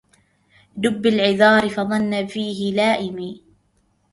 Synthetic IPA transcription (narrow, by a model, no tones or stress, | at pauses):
d̪ʊbːɪlʕɪðɑːɾɪfɑðˤɑnːafiːɦɪlaːʔɪmiː